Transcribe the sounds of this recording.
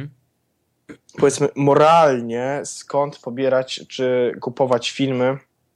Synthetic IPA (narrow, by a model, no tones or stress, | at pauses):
pɔvʲɛt̪mɘmɔɾalɲɛskɔnt̪pɔbʲjɛɾat͡ɕt͡ʂɘkupɔvat͡ɕfʲilmɘ